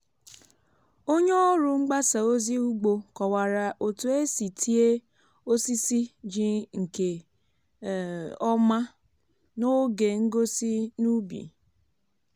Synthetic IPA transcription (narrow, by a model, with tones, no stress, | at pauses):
o˦ɲe˦ɔ˦ɾʊ˨ŋ͡m̩˦ɡ͡ba˦sa˨o˦zi˦u˦ɡ͡bo˨kɔ˨wa˨ɾa˨ʔo˨tu˨e˦si˨tʰi˦e˦ | o˦si˦si˦d͡ʒi˦ŋ̩˨ke˨ | ɔ˦ma˦ | no˦ɡe˨ŋ̩˦ɡo˦si˦nu˦bḭ˨